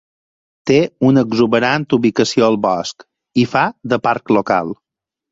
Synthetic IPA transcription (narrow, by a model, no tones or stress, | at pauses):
t̪eunəɡzuβəɾant̪uβikəsioəlˠβɔsk | ifaðəpaɾkloka̰lˠ